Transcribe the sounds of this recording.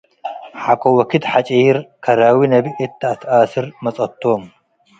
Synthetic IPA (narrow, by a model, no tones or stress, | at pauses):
ħakʷʼowɐkʰɨd̪ħat͡ʃʼijiɾkʰɐɾawinɐbiʔɨt̪ʰːaat̪ʰasɨɾmɐt͡sʼɐt̪ʰːom